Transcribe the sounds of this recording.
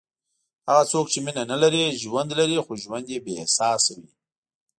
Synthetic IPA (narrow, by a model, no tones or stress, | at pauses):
haɣat͡sokt͡ʃeminanalaɾiʒwand̪laɾixoʒwand̪jebehsɑsawi